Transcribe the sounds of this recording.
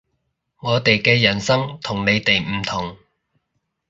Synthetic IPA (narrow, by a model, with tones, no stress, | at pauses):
ŋɔː˨˧t̪e˨jkɛː˧jɐ˨˩nsɐ˥ŋt̪ʰʊ˨˩ŋne˨˧jt̪e˨jm̩˨˩t̪ʰʊ˨˩ŋ